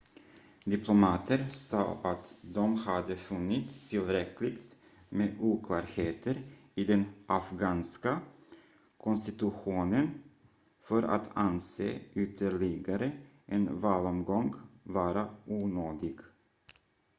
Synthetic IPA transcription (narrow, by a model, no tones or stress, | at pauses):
d̪ɪpʰlɔmɑːt̪ʰəɾsɑ̰ːʔat̪d̪ɔmhad̪əfɵnːɪt̪ʰːɪlɾɛklɪɡt̪ | meːuːkʰlɑːɾheːt̪ʰəɾɪd̪ɛnʔafɡɑːnska | kʰɔnst̪ɪt̪ɵɧuːnən | fœɾa̰t̪ʰansḛːʏt̪ʰəɭɪɡaɾə | ʔɛnvɑːlɔmɡɔŋɡvɑːɾauːnøːd̪ɪɡ